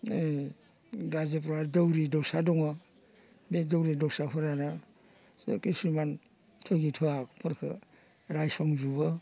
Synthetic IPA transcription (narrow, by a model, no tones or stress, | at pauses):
ɡazep̬ɾɔwaɾdəwɾidɔwsadɔŋa | bedəwɾidɔwsaɦʰɔɾana | skisiman | tʰɔɡitʰɔakpʰɯɾkʰɯ̰ | ɾajsɔŋzubɯ